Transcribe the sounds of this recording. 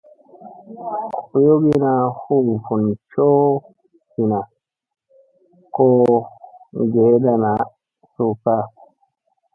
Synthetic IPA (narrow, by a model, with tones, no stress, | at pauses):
ku˨jo˦ɡi˦na˨hu˦˨fu˨nt͡ʃo˦ | hi˨na˨ | ko˦ | ɡe˨˦da˨na˨ | su˦˨ka˦